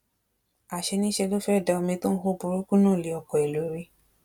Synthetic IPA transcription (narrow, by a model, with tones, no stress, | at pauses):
a˨ʃe˧nĩ˦ʃe˧lo˦fɛ˦˨da˧ɔ˧mĩ˧to˦n̩˦ho˦˨bo˧ɾo˦ku˦nũː˦˨li˨˦ɔ˧˨kɔ˨e˨lo˨˦ɾe˧˦